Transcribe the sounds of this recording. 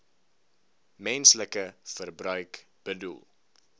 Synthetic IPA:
mɛnsləkəfərbrœɥk | b̥ədṵlˠ

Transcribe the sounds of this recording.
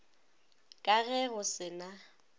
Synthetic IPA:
kʼaɣɛɣʊsɪna

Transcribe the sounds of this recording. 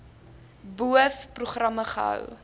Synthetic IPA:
buəfpruχrɐməχəɦə̰w

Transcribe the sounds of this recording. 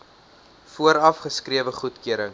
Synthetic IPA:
fuəɾɐfχəskriəvəχutkøəɾəŋ

